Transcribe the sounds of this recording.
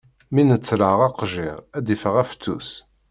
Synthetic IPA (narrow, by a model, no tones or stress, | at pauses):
minət͡sːɾəʁɑqʒḭʁæd̪ifəʁæft͡s̪ːṵs